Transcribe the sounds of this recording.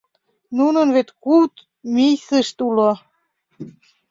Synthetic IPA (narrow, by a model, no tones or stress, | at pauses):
nunənβet̪kuwt̪ | mijsəʃt̪ulo